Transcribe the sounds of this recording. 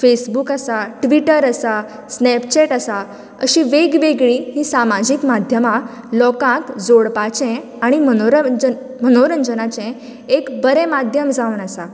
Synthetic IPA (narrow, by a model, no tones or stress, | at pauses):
fesbukasaʈʋiʈəɾəsa | snɛpt͡ɕɛʈasa | ə̰ɕĩʋeɡʋeɡɭiːɦĩsamad͡ʑiːkmad̪ʱjəma | lɔkãk̪d͡zoɽpat͡ɕɛ̃ | aɽ̃imənɾəə | mənoɾəɲd͡zənat͡ɕɛ̃ | ekbəɾɛ̃mad̪ʱjəmd͡zaunasa